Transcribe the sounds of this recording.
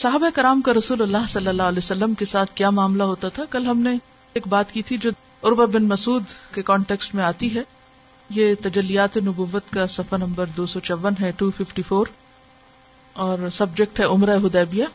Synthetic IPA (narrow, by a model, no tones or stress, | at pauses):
sɐɦaːbaekɐɾaːmkaɾɐsuːlɐlːaːɦsɐlːəlːaːlɛsɐlːəmkesaːt̪ʰkjaːmaːmlaɦoːt̪at̪ʰakɐlɦɐmneː | k̚baːt̪kit̪ʰid͡ʒoː | ʊɾbabɪnmɐsuːd̪kekɔːɳʈeːksʈmẽaːt̪iɦɛ | jet̪ɐd͡ʒɐlːijaːt̪enʊbuːʋːət̪kasɐfəɾnɐ̃mbəɾd̪oːsɔt͡ʃɐʋənɦɛʈuːfɪfʈifoːɾ | ɔːɾsɐbd͡ʒek̚ʈɦɛʊmɾaɦʊd̪ɛːbijaː